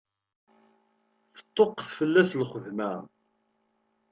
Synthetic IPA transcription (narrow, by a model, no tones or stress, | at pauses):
θə̥t̪ˤːoqθfəlːæslχəðmæ